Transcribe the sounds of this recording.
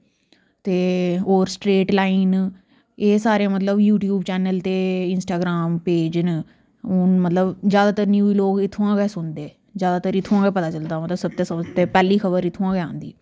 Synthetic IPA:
t̪eːoːɾsʈɾeːʈlaːiːn | eːsaːɾeːmət̪ləbjuːʈjuːbt͡ʃɛːnəlt̪eːɪnsʈaːɡɾaːmpeːd͡ʒn | ʊnmət̪ləbzjaːd̪aːt̪əɾnjuːiloːkɪt̪ʰːõːãːɡɛːsʊnd̪eː | zjaːd̪aːt̪əɾɪt̪ʰːõãːɡɛːpət̪aːt͡ʃəld̪aːmət̪ləbsəb̚t̪eːsəd͡ʒt̪eːpɛːliːkʰəbəɾɪt̪ʰːõːãːɡɛã̰ːnd̪ḭː

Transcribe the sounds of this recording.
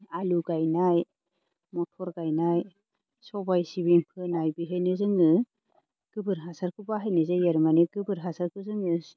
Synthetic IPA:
aluɡajnaj | mɔtʰɔɾɡajnaj | sɔbajsiβiŋpʰɯnajbiɦɯjnɯzɯŋɯ | ɡ̥ɯbɯɾɦasaɾkʰɯbaɦajnɯzejeɾmaneɡɯbɯɾɦasaɾkʰɯzɯŋɯ

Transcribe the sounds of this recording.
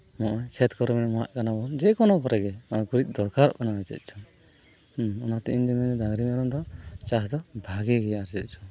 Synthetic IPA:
mɔʔɔjkʰɛt̪kɔɾɛmɛnɛmɔɦa̰ʔkanabɔnd͡ʒɛkɔnɔkɔɾɛɡɛɔɡuɾic̪̚ˀd̪ɔɾkaɾɔ̰ʔkanaɾɛt͡ʃɛ̰t̪̚ˀt͡ʃʰu | ɔnat̪iʔiɲd̪ɛmɛɛd̪aɡɾimɛɾɔmd̪ɔt͡ʃaɦd̪ɔbʱaɡɛɡɛjaɾd͡ʒɛt̪̚ˀt͡ʃʰu̥

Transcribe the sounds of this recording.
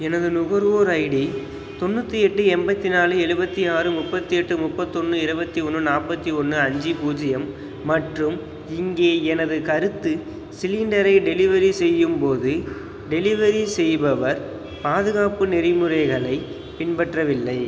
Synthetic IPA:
ɛnɐðɯnʊɣɐɾʋoːɾɐɪɽi | t̪ɔnːɯt̪ːiɛʈːɯɛmbɐt̪ːinaːlɯɛɻɯbɐt̪ːiaːɾɯmʊpːɐt̪ːiɛʈːɯmʊpːɐt̪ːɔnːɯɪɾɯbɐt̪ːiɔnːɯnaːpɐt̪ːiɔnːɯɐɲd͡ʒipuːd͡ʒɪjɐmː | ɐʈrɯm | ɪŋɡeːɛnɐðɯkɐɾɯt̪ːɯ | sɪlɪɳɖɐɾɐɪɖɛlɪʋɐɾisɛjːɯmpoːðɯ | ɖɛlɪʋɐɾisɛjbɐʋɐɾ | paːðɯɣaːpɯnɛɾɪmɯɾɐɪɣɐɭɐɪ | pɪɳbɐʈrɐʋɪlːɐɪ

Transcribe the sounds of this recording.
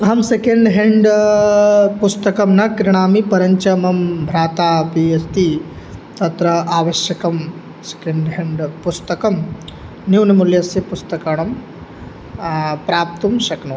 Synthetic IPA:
ɐɦɐmsekeɳɖɦeɳɖ | pust̪ɐkɐmnɐkɾiɳaːmipɐɾɐɲt͡ʃɐmɐmbʱɾaːt̪aːpiesʈ̪i | t̪ɐt̪ɾɐaːʋɐʃjɐkɐm | se̥keɳɖɦeɳɖpust̪ɐkɐm | njuːnimuljɐsjɐpust̪ɐkaːɳɐm | pɾaːp̚t̪umʃɐknɐ

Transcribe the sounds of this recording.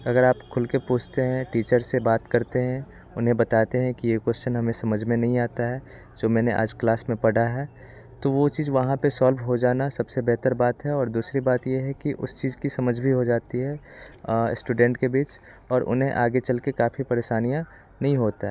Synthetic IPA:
ɐɡəɾaːpkʰʊlkepuːt͡ʃʰt̪eɦɛ̃ʈiːt͡ʃəɾsebaːt̪kɐɾt̪eɦɛ̃ | ʊnɦẽbɐt̪aːt̪eɦɛ̃kijekwɛst͡ʃənɦɐmẽsɐməd͡ʒʱmẽnɐɦĩaːt̪aɦɛː | d͡ʒoːmɛ̃ːneʔa̰ːd͡ʒklaːsmẽpɐɽ̤aɦɛː | t̪oʋot͡ʃiːzʋɐɦãpesaːlʋɦod͡ʒaːnasɐbsebɛɦt̪əɾbaːt̪ɦɛɔːɾd̪uːsɾibaːt̪jeɦɛkiʔʊ̰st͡ʃiːzkisɐməd͡ʒʱbʱiɦod͡ʒaːt̪iɦɛ̰ | sʈuːɖɛ̃ːɳʈkebiːt͡ʃ | ɔːɾʔʊ̰nɦẽʔaːɡet͡ʃɐlkekaːfʰipɐɾeːʃaːnijã | nɐɦĩɦoːt̪aɦɛː

